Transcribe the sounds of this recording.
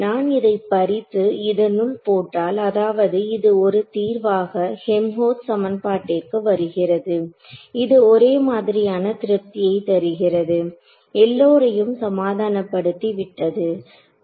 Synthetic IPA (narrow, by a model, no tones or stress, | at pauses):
naːnɪðɐɪpːɐɾɪt̪ːɯɪðɐnɯɭpoːʈːaːlɐðaːʋɐðɯɪðɯɔɾɯt̪iːɾʋaːɣɐhɛmɦoːt̪sɐmɐnpaːʈːɪkːɯʋɐɾɯɣɪrɐðɯ | ɪðɯɔɾeːmaːðɪɾɪjaːnɐt̪ɪɾɯp̚t̪ɪjɐɪt̪ɛɾɯɣɪrɐðɯ | ɛlːoːɾɐjɯmsɐmaːðaːnɐpːɐɽɯt̪ːiʋɪʈːɐðɯ